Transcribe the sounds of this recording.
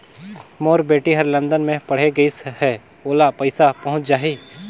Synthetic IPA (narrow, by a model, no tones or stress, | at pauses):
moːɾbeːʈiɦɐɾlə̃nd̪ənmẽpɐɽ̤eɡɐishɛ | oːlapɐɪsapɐɦʊ̃t͡ʃd͡ʒaːɦiː